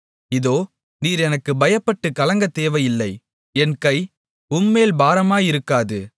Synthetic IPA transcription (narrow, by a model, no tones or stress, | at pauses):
ɪðoː | niːɾɛnɐkːɯbɐjɐpːɐʈːɯkɐlɐŋɡɐt̪ːeːʋɐjɪlːɐɪ | ɛnkɐɪ | ʊmːeːlbaːɾɐmaːjɪɾɯkːaːðɯ